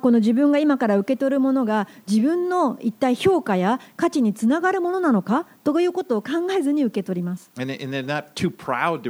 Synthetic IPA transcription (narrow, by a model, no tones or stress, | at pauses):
ko̞no̞ʑibɯ̟̃ŋɡaimakaɾaɯ̟ke̞t̪o̞ɾɯ̟mo̞no̞ɡad͡ʑibɯ̟̃nːo̞it̪ːaiço̞ːkajakat͡ɕiɲ̟it͡sɨnaɡaɾɯ̟mo̞no̞nano̞kat̪o̞jɯ̟ːko̞t̪oːkãŋɡae̞zɨɲ̟iɯ̟ke̞t̪o̞ɾʲimasɨ̥ɨ̃nɨ̃nənəttʰʉpʰɹ̥a̰ʊd̚tɨ